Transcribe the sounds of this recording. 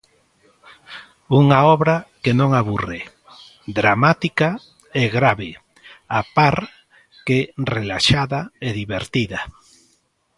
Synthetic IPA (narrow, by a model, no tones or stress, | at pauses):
uŋaɔβɾɐkenõŋaβure | d̪ɾamat̪ika | eɣɾaβe | apaɾ | kerelaʃaðaeðiβeɾt̪iðɐ